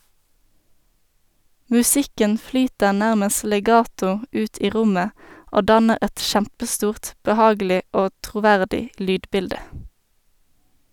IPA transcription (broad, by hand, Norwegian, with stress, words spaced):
mʉˈsɪkən ˈflyːtəʁ ˈnæʁməs lɛˈɡɑːtʊ ˈʉːt ˈiː ˈʁʊmə ˈoː ˈdɑnəʁ ˈɛt ˈʃæmpəˌstuːʁt bəˈhɑːɡl̩ɪ ˈoː tʁʊˈʋæʁdɪ ˈlyːdˌbɪldə